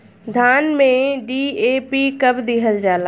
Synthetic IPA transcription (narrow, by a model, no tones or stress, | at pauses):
d̪ʱaːnmẽɖiːeːpikɐbd̪iɦəld͡ʑaːla